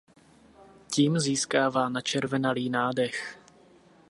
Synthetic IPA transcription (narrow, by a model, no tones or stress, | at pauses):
ciːmziːskaːvaːnat͡ʃɛɾvɛnaliːnaːdɛx